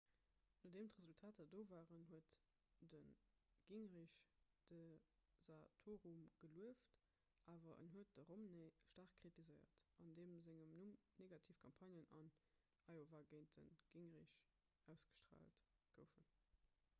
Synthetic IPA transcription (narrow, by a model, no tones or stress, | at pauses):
nɑdeːmtʁəzultʰaːtɑdoːvaːʁənɦuət | dənɡ̥iŋʁiɕd̥əz̥atʰoːʁumɡ̥əluəft | ʔaːvɐʔə̰nɦuət̚d̥əʁomneʃtaːʁχkkχitizəɪɐ̰tɑndeːmzæŋəmnumneɡɑtʰiːfkʰɑmpʰɑnjənɑ̰n | ɑɪovaːɡeɪnt̚dənɡ̥iŋʁiɕ | æʊsɡ̥ə̥ʃtʁa̰ːltɡ̥əʊfən